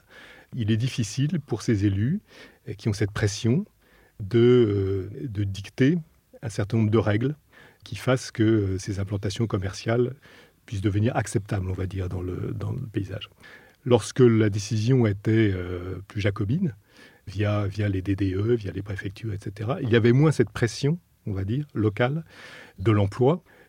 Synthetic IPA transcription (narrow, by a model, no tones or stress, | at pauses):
ilɛd̪ifisilpuʁsezely | kʲiɔ̃sɛt̪̚pχɛsjɔ̃ | d̪ə | d̪əd̪ikt̪e | ɛ̃sɛʁt̪ɛ̃nɔ̃bʁd̪əʁɛɡl | kʲʰifaskəsezɛ̃plɑ̃t̪asjɔ̃kɔmɛʁsjal | pɥis̬d̪əvəniʁaksɛpt̪ablɔ̃vad̪iʁd̪ɑ̃lə̰d̪ɑ̰̃əpeiza̰ːʒ | lɔʁskəlad̪esizjɔ̃et̪ɛøplyʒakɔbin | vjavjaled̪ed̪eøvjalepχefɛk̚t̪ʰyʁɛt̪set̪eʁailjavɛmwɛ̃sɛt̪̚pχesjɔ̃ | ɔ̃vad̪iːʁːɔkald̪əlɑ̃plwa